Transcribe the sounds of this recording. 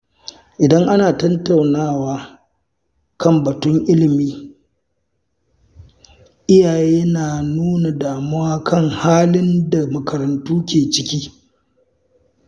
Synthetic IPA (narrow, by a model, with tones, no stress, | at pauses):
ʔɪ˨dɐ˦ŋʔa˦naː˨tɐ˦nta˨wnaː˦˨waː˦ | kɐ˦˨mbɐ˨tʊ˦ŋʔɪ˦lɪ˨miː˦ | ʔɪ˦jaː˨jeː˦naː˨nuː˦na˨daː˨mʊ˦waː˦kʰɐ˦ŋhaː˦lɪ˦nda˨mɐ˨kʰɐ˨ɾɐ˨ntuː˦kʲeː˨t͡ʃɪ˦kʲiː˦